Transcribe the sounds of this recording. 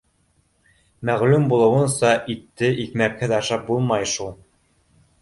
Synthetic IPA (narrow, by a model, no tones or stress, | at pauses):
mæʁlʉmbulˠɤ̆wɤ̆nsɑʔit̪ːɘʔikmækhɘðɑʃɑp̚bulˠmɑjʃulˠ